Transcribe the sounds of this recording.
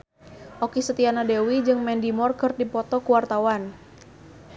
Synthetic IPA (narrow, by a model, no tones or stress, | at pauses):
ʔokisət̪ianadewid͡ʒɨŋmɛndimɔrkərdipɔt̪ɔkuwart̪awan